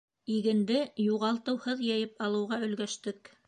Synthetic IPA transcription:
iɡɘ̆nd̪ɘjuʁɑlˠt̪ɤ̆whɤðjɑjɤpɑlˠɤ̆wʁɑɵ̆lɡæʃt̪ɘk

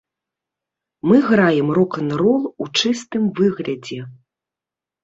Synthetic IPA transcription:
mɨɣɾajɛmrɔkɐnɾɔlˠut͡ʂɨst̪ɨmvɨɣlʲɐd͡zʲɛ

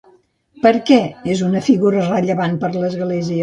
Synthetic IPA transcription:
pəɾkɛezunəfiɣuɾərəʎəβanpəɾləzɣleziə

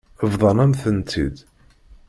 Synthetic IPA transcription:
əvðˤɑnæmθənt̪ḭd̪

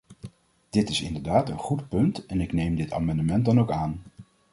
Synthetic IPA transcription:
d̥ɪtɪsɪ̰ndəɹdaːtənχutpɵntɛnɪknejmdɪta̰ːmɑndəmɛnt̚dɑnowkaːn

